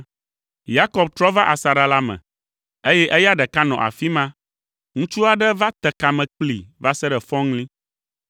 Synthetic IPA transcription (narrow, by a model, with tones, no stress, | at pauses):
ja˦kɔ˨b̚t̪ɾɔ˦va˦ʔa˨sa˨ɖa˦la˦mɛ̰̃˨ | e˦jɛ˦ʔɛ˦ja˦ɖɛ˨ka˦nɔ̰̃˨ʔa̰˨fi˦mã˦ | ŋũ˦t͡ʃu˦a˨ɖɛ˦va˦t̪ɛ˨ka˨mɛ̃˨k͡plḭ˨va˦sɛ˦ɖɛ˨fɔ̃˦ŋlĩ˦